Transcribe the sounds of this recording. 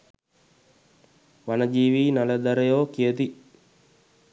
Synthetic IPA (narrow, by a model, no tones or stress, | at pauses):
ʋanəd͡ʒiːʋiːnaləd̪aɾəjoːkijət̪i